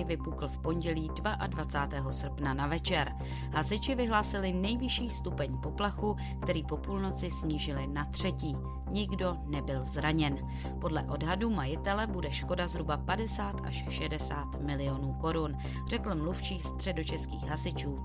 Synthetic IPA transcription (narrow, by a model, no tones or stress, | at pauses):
ɪvɪpukl̩fpo̞ɲɟɛliːdvaʔadvat͡saːt̪ɛːɦo̞sr̩pnanavɛt͡ʃɛɾ | ɦasɪt͡ʃɪvɪɦlaːsɪlɪnɛjvɪʃiːst̪upɛɲpo̞plaxu | kt̪ɛɾiːpo̞puːlno̞t͡sɪsɲiːʒɪlɪnat̪r̝̥ɛciː | ɲɪɡdo̞nɛbɪlzɾaɲɛn | podlɛ̰ʔo̞dɦadumajɪt̪ɛlɛbudɛʃko̞dazɦɾubapadɛsaːt̪ʔa̰ʃʃɛdɛsaːt̪mɪlɪo̞nuːko̞ɾun | r̝ɛkl̩mluft͡ʃiːst̪r̥ɛdo̞t͡ʃɛskḭːxɦasɪt͡ʃuː